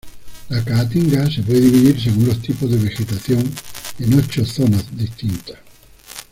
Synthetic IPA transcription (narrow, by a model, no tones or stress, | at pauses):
lakaːt̪iŋɡasepweðeiβiðiɾs̬eɣunlo̞st̪ipozðe̞β̞e̞xe̞t̪aθjo̞ŋeno̞t͡ʃoθo̞nazðist̪int̪ḁ